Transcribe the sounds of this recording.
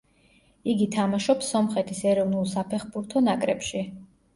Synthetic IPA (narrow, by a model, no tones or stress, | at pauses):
iɡit̪ʰamaʃɔpsɔmχɛt̪ʰisɛɾɔvnulˠsapʰɛχbuɾt̪ʰɔnakʼɾɛpʃi